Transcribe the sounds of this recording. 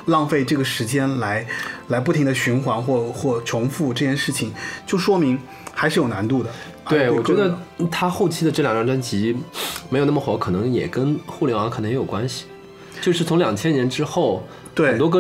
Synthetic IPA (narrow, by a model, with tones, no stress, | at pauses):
lɑ˥˧ŋfe˥˧ɪʈ͡ʂɤ˥˩ɡə˩ʂɻ̩˧˥t͡ɕjɛ˥nla˧˥ɪla˧˥ɪp̬u˥˩i˧˥ŋd̪ə˧ɕy˧˥nxwa˧˥nxwɔ˥˧xwɔ˥˩t͡ɕʰʊ˧˥ŋfu˥˧ʈ͡ʂɤ˥˧t͡ɕjɛ˥˧nʂɻ̩˥˩t͡ɕʰi˨˩ŋt͡ɕjo˥˩ʊʂwɔ˥mi˧˥ŋ | xa˧˥ɪʂɻ̩˥˩jo˨˩ʊna˧˥nt̪u˥˩d̪ə˩ | t̪we˥˩wɔ˩˨˩t͡ɕɥɛ˧˥d̪ə˧t̪ʰa˥xo˥˩ʊt͡ɕʰi˥d̪ə˧ʈ͡ʂɤ˥˩jɑ˨˩ŋʈ͡ʂɑ˥˩ŋʈ͡ʂa˥nt͡ɕi˧˥me˧˥jo˨˩n˥˩ə˩xwɔ˧˥kʰɤ˨˩nɤ˧˥ŋjɛ̰˨˩kə˥nxu˥˩ljɛ˧˥nwŋkʰnɤ˧˥ŋjɛ˧˥jo˨˩kwa˥nɕi̥˨ | t͡ɕo˥˧ʊʂɻ̩˥˩t͡sʰʊ˧˥ŋljɑ˨˩ŋt͡ɕʰjɛ˥njɛ˧˥nʈ͡ʂɻ̩˥xo˥˩ʊ | xt̪we˥˩˨nt̪wɔ˥k̬ə˥